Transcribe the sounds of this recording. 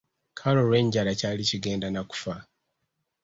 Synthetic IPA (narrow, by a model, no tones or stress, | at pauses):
kʰalo̞ɾwe̞ːɲɟalacaːliciɡe̞ːndanaku̥fa